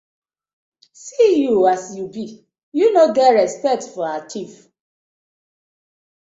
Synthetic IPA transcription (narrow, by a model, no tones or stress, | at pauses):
sijuasjubi | junodɛɹɛspɛk̚tfɔaatʰif